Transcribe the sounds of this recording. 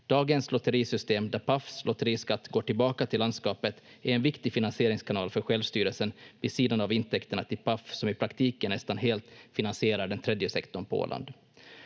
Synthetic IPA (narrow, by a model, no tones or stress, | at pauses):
d̪̥ɑːɡənslɔt̪əɾiːsʏst̪eːmd̪æɾpʰafslɔt̪əɾiːskat̪ːɡoːʈɪlbɑːkat̪ʰɪlːand̪skɑːpət̪ | æɾɛnvɪkt̪ɪfɪnansɪeːɾɪŋskʰanɑːlfœɾɧɛlvst̪yːɾəlsənvɪsiːd̪anavɪnt̪ʰɛkt̪əɳat̪ʰɪlpʰafsɔmɪpʰɾakt̪ʰiːkənːɛst̪anɦeːlt̪fɪnansɪeːɾaɖɛnt̪ʰɾɛd̪jəsɛkt̪ɔɳpʰɔo̰ːlʔa̰nd̪